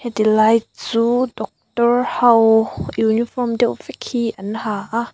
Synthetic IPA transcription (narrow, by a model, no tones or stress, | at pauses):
hɛdilajt̚t͡suːdɔk̚tɔrhɐwjunifɔrmdɛwvɛkʰiʔɐnhaːʔa